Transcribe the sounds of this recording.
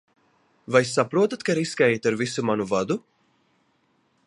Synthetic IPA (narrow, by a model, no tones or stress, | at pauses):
vajsapɾuɔt̪at̪kaɾiskajt̪aɾvisumanuvad̪u